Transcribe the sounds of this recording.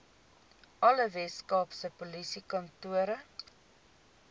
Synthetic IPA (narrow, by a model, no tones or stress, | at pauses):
ɐləvɛtskɑːpsəpolisikɐntuəɾə